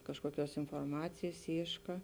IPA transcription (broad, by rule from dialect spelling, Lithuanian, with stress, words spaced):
ˈkɑːʃkuɔˌkʲuɔs ɪnfoːrˈmɑːt͡sʲeːjs ˈiːʃkɐ